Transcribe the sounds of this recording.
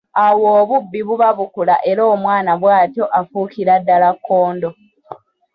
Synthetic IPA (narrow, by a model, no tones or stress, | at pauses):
awoːβubːiβuβaβukulaʔe̞ɾoːmwaːnaβwaːtjo̞ʔafukiɾadːalakʰːo̞ːndo